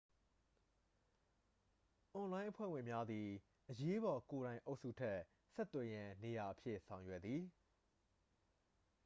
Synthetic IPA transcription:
ʔɔ̃˨lã˦ɪ̃ʔəpʰwɛ̰˦˨wɪ̃˨mja˦d̪ði˨ | ʔəje˦bɔ˨ko˨ɾã˨ɪ̃ʔo˦ʊʔsṵ˦˨tʰɛ˦ | sɛ˦ʔt̪ːwɛ˨jã˨ne˨ja˨ʔəpʰjɪ̰˦˨ʔsʰã˨ʊ̃jwɛ˦˨d̪ði˨

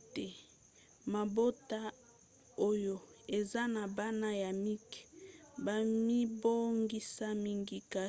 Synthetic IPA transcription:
te˨ | ma˨bo˦ta˦ | o˦jo˨e˨za˦na˨ba˦na˦ja˨mi˦kba˨mi˦bo˦ŋɡi˦sa˦mi˦ŋɡi˦ka˦

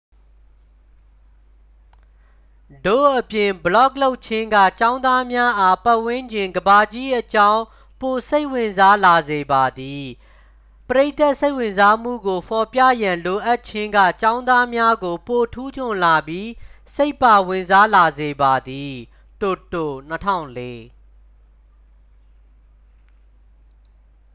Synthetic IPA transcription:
do̰˦˨ʔəpjɪ̃˨mbəlɔ˦k̚lo˦ʊʔt͡ɕʰɪ̃˦ŋɡä̰˦˨t͡ɕã˦ʊ̃nd̪a˦mja˦ʔa˦pa˦ʔwɪ̃˦ɲd͡ʑɪ̃˨ŋɡəba˨d͡ʑi˦ʔət͡ɕã˦ʊ̃ | po˨se˦ɪʔwɪ̃˨nza˦la˨ze˨ba˨d̪i˨ | pəɾe˦ɪt̪a˦ʔse˦ɪʔwɪ̃˨nza˦m̥ṵ˦˨ɡo˨pʰɔ˨pja̰˦˨jã˨lo˨ʔa˦tt͡ɕʰɪ̃˦ŋɡä̰˦˨t͡ɕã˦ʊ̃nd̪a˦mja˦ɡo˨po˨tʰu˦d͡ʑʰʊ̃˨nla˨bji˦se˦ɪpːa˨wɪ̃˨nza˦la˨ze˨ba˨d̪i˨ | to˨to̰˦˨n̥ətʰã̰˦˨ʊ̃nle˦

